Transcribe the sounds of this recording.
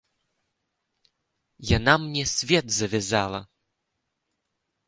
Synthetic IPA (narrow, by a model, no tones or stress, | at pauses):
janamnʲɛsʲvʲɛt̪zɐvʲɛzalˠɐ